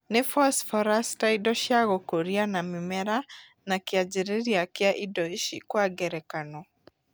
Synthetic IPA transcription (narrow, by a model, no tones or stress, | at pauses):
nɪfɔsfɔɾastaidɔʃjaɣɔkoɾianamimɛɾa | nakɪad͡ʒiɾeɾiakɪaʔidɔiʃikwaɡɛɾɛkanɔ